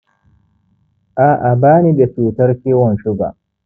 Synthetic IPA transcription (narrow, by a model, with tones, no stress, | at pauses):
ʔa˨ʔa˨baː˦ni˨be˨ɸuː˨tɐ˦rkʲiː˦wɔ˨nʃʊ˦ɡa̰˨ʔ